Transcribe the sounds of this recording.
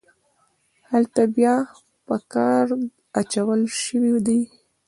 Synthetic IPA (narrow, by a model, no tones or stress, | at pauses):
halt̪abjɑ | pəkɑɾ | at͡ʃawəlʃəwid̪aj